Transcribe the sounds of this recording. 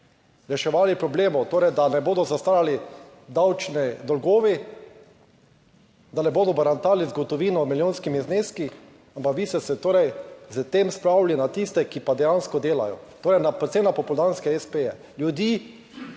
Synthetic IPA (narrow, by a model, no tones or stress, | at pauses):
ɾɛʃɛʋaːlipɾɔbleːmɔt̪oːɾɛjd̪anɛboːd̪ɔzast̪aːjali | d̪awt͡ʃnɛd̪ɔlɡoːʋi | d̪anɛboːd̪ɔbaɾant̪aːlizɡɔt̪ɔʋiːnɔmiljonskimizneːski | ampakʋiːst̪ɛsɛt̪oːɾɛjzət̪emspɾawlinat̪ist̪ɛkipad̪ɛjanskɔd̪eːla̰jɔ̰t̪oːɾɛjnapɾɛt̪semnapɔpʊld̪anskɛɛspejɛ | ljud̪iː